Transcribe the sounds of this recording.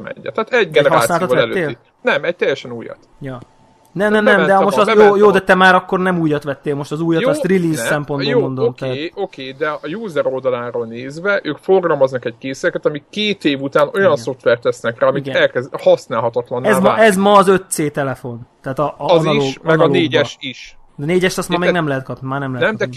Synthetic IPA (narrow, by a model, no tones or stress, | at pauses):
mɛ̰ɲːɛ̰t̪aːt̪ɛɟɡɛɛɒsnːlt̪oɛløeːli | nɛmɛc̚t̪ɛjːɛʃɛnuːjɒ̰t̪ | jɒ | nɛmɛmnɛmd̪ɛɒmojoːjoːd̪ɛt̪ɛmaːɾɒkːo̞rnɛmuːjɒt̪ʋɛt̪ːeːlmo̞ʃt̪ɒzuːjːɒt̪ɒsriliːzsɛmpo̞nbomo̞nd̪omt̪ɛːt̪ːokeːd̪ɛɒjuːzɛɾo̞ld̪ɒlaːɾoːlneːzvɛʔøːkfo̞rɡɒlmɒznɒkɛɟ̚keːsɛkɛt̪ɒmikkːeːt̪eːvut̪aːno̞jɒnso̞ft̪ʋɛrt̪ɛsnɛkraːɒmiiɡ̪ɛɛlkɛzhɒsnaːlɦɒt̪ɒt̪lɒnːɛzmɔʔɛzmɒːzø̞t̪seːt̪ɛlɛfo̞nt̪ɛːt̪ɒɒnɒioʃɡmɒɡnɒloeːɟɛʃiʃneːɟɛʃt̪ɒst̪mɒmɛːɡnɛmlɛɦɛt̪̚kɒpnimaːrnɛmlɛɛmd̪ɛn